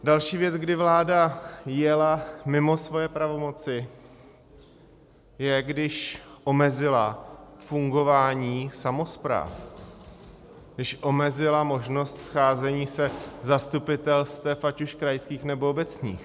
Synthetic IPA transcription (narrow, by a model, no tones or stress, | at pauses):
dalʃiːvjɛt͡sɡdɪvlaːdajɛlamɪmo̞svo̞jɛpɾavo̞mo̞t͡sɪ | jɛɡdɪʃʔo̞mɛzɪlafuŋɡo̞vaːɲiːsamo̞spɾa̰ːf | ɡdɪʃʔo̞mɛzɪlamo̞ʒno̞st̪sxaːzɛɲiːsɛzast̪upɪt̪ɛlst̪ɛfacuʃkɾajskiːxnɛbo̞obɛt͡sɲḭːx